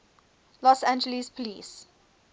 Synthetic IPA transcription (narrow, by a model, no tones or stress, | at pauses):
lɔsæ̃nd͡ʒəlispʰɔlḭːs